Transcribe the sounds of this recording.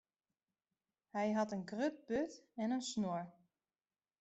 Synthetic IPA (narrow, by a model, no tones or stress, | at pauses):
hɛjɦɑtənɡrøt̚bøtɛnənsnoɹ